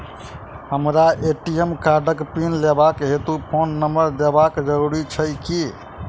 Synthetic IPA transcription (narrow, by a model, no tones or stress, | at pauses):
həmɾaʔeʈiemkaɾɖəkpinlebakɦet̪upʰonːəməɾd̪ebakd͡ʒəɾuɾit͡ʃʰəjki